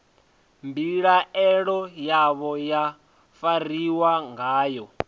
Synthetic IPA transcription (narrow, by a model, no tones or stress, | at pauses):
mbiɺaɛɺɔjaβɔja | fariwaŋɡaːjɔ